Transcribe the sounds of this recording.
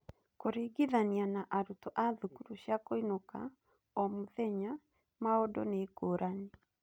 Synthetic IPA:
koɾeɡiðanianaʔaɾutɔʔaðukuɾuɕjakoinoka̰ | ɔmoðɛɲa | maodɔ̰neːkoːɾʔane

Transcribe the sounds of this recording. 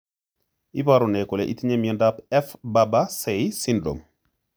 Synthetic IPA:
ʔibaɾunɛkɔlɛ̰ʔitiɲɛmjɔndapɛfbabasɛjsindɾɔ̰m

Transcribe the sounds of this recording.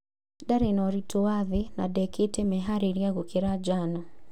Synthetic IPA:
daɾɛnɔɾitɔaðina̰dɛketɛmɛɦaɾiɾiaɣukeɾad͡ʒana

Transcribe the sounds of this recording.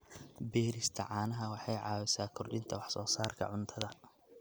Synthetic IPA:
bɛːɾɪst̪ʰɐʕɑːnɐɦɐwɑħɑjʕɑːwɪsaːkʰʊrɖɪnt̪ʰɐwɑħsɔːsaːrkʰɐ̰ʕʊnt̪ʰɐðɐ

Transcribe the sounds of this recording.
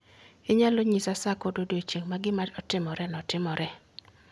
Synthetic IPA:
ɪɲaloɲisasakododet͡ʃeŋmaɡɪmaɾɔtɪmɔɾɛnɔtɪmɔɾʔɛ

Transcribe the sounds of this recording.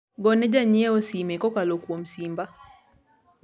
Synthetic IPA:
ɡɔnɛd͡ʒaɲɛɔsimɛkɔkalokwɔm̩simba

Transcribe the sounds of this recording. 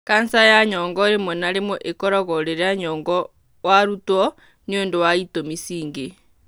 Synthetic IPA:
kansajaɲɔːŋɡɔɾemonaɾemoʔekɔɾɔɣɔɾeɾeaɲɔːŋɡɔ | waɾutwɔ | niondowaitomisiːŋɡe

